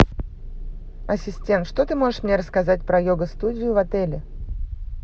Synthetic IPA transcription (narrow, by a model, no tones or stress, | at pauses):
ɐsʲɪsʲtʲe̞nt̪ʂt̪o̞t̪ɨmo̞ʐɨʂmnʲe̞ɾəskɐzat̚ʲpɾɐjoɡəst̪udʲɪjʊvɐt̪ɛlʲɪ